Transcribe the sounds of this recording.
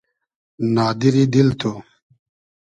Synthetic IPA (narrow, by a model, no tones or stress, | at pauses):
naːd̪iɾid̪ilt̪ʰo